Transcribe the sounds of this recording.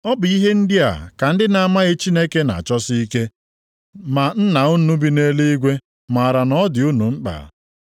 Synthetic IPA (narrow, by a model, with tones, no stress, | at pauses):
ɔ˦bʊ˨i˦ɦe˦n̩˦dɪ˦a̰˨ka˨n̩˦dɪ˦na˨a˦˨ma˦ɣɪ˦t͡ʃi˦ne˦ke˦na̰˨a˨t͡ʃɔ˦si˦i˦ke˦ | ma˨n̩˦na˨u˦nu˦bi˦ne˦le˦i˦ɡʷe˦ | ma˨a˨ɾa˨nɔ˦dɪ˨u˦nu˨ŋ͡m̩˦k͡pa̰˨